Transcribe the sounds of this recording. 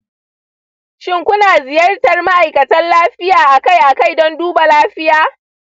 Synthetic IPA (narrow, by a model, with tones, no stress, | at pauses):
ʃɪ˦ŋkʷʊ˦naː˨zɪ˨jɐ˦rtɐ˨rma˦ʔa˨jkɐ˨tɐ˦nlaː˦ɸɪ˦jaː˨ʔa˨ka˦˨jʔa˨ka˦˨jdɔ˦nduː˦ba˨laː˦ɸɪ˦jaː˨˦